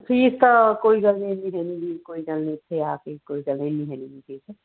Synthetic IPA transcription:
pʰiːst̪ɔkoːiɡɐlneniɦɛnibikoːiɡɐlnet̪ʰeakekoːiɡəlneniɦɛnibipʰiːs

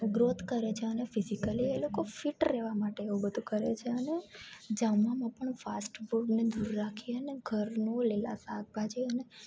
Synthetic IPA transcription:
ɡɾot̪ʰkəɾet͡ʃʰeənefizikəlielokofiʈɾeʋamaʈeːʋũbəd̪ʱũkəɾḛt͡ʃʰeəned͡ʒamʋãmãpəɳfasʈboɖned̪uɾːakʰiəneɡʱəɾnolela̰sak̚bʱad͡ʒeəne

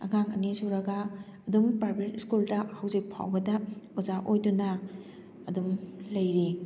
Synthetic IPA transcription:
ɐ̰ŋaŋɐ̰nisuɾɐɡɐ | ɐdumpɾaɾbetiskuldɐhɐwzik̚pʰa̰wbɐdɐozaʔojdunɐ | ɐdumlɐjɾi

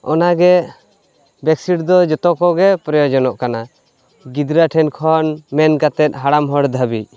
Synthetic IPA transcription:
ɔ̰naɡɛ | bɛksiɽd̪ɔd͡ʒɔt̪ɔkɔɡɛpɾɔjɔd͡ʒɔnɔʔkana | ɡid̪ɾaʈʰɛnkʰɔnmɛnɡat̪ɛt̪̚ˀɦaɽamɦɔɽd̪ʱabic̚

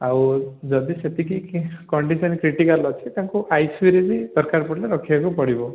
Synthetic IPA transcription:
awd͡ʒɔd̪iset̪ikikɔɳɖisɔnikɾiʈikalɔt͡ʃʰit̪jãŋkuʔajswiɾed͡ʒid̪ɔɾkaɾpɔʈleɾɔkʰibakupɔɽibɔ

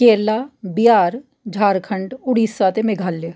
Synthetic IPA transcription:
keːlaːbɪjaːɾ | d͡ʒʱaːɾkʰəɳɖʊɽiːsaːt̪emeɡʱaːlːeː

